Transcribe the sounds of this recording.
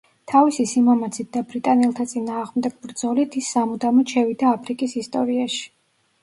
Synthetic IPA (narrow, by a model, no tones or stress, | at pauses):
t̪ʰavisisimamat̪sʰit̪̚d̪abɾit̪ʼanɛlˠt̪ʰat̪sʼinaːʁmd̪ɛɡ̥̚bɾd̪zɔlit̪ʰisːamud̪amɔt͡ʃʰɛvid̪aːpʰɾikʼisist̪ʼɔɾiaʃi̥